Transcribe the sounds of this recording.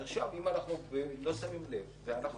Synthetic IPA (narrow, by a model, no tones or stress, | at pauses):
eχʃavimanaχnubelo̞samimlevveanaχ